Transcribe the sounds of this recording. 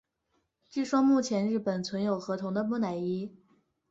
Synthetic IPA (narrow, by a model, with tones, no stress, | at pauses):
ʈ͡ʂ̩˥˩ʂwɔ˥mu˥˩t͡ɕʰjɛ˧˥nɻɻ̩˥˩pə˨˩nt͡sʰwə˧˥njo˨˩ʊxɤ˧˥t̪ʰʊ˧˥ŋd̪ə˧mu˥˩na˨˩ɪi˥